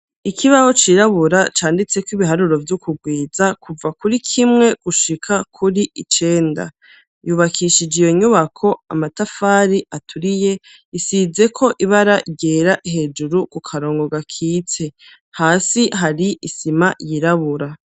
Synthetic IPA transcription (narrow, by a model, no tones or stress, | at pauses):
ikʰiβaho̞t͡ʃiːɾaβuɾat͡ʃaːndit͡se̞kwiβiɦaɾuɾo̞vjukʰuɡwiːzakʰuvakuɾikʰimŋe̞ɡ̥uʃikʰakʰuɾiit͡ʃe̞ːnda̰ | juːβakʰiʃid͡ʒijo̞ɲuβakʰo̞amatafaːɾiʔatʰuɾije̞ | isize̞kʰo̞ʔiβaɾaʔiɟeːɾaʔiɦe̞ːd͡ʒuɾukukʰaɾo̞ːŋɡo̞ɡakʰiːt͡se̞ | haːsiɦaɾiʔisimajiɾaβuɾa